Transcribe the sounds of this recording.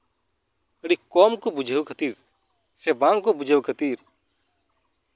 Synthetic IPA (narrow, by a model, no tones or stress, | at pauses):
əɽikɔːmkɔbud͡ʒʱəwkʰət̪iːɾ | sɛbãŋkɔbud͡ʒʱəwkʰət̪iɾ